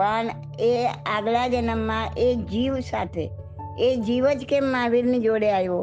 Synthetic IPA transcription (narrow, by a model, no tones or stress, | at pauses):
pəɳ | eaɡɭad͡ʒənəmːãʔekd͡ʒiʋsat̪ʰḛ | ed͡ʒiʋəd͡ʒkemaʋiɾnid͡ʒoɽeajʋo